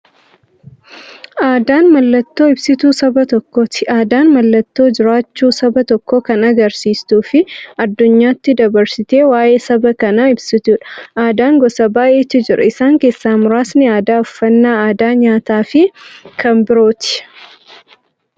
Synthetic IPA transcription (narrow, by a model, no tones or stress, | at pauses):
aːd̪aːnmɐlːɐt̪ːo̞ːɪbsɪt̪uːsɐbɐt̪ɔkːoːt̪ɪʔaːd̪aːnmɐlːɐt̪ːo̞ːd͡ʒɪɾaːt͡ʃːuːsɐbɐt̪ɔkːoːkɐnɐɡɐɾsiːst̪uːfɪɐd̪ːʊɲːaːt̪ːɪd̪ɐbɐɾsɪt̪e̞ːwaːʔe̞ːsɐbɐkɐnɐɪbsɪt̪uːᶑɐ̥ʔaːd̪aːŋɡɔsɐbaːʔeːt͡ʃːɪd͡ʒɪɾɐɪsaːŋkeːsːaːmʊɾaːsnɪaːd̪aːʊfːɐnːaːaːd̪aːɲaːt̪aːfɪkɐmbɪɾo̞ːt̪ɪ̥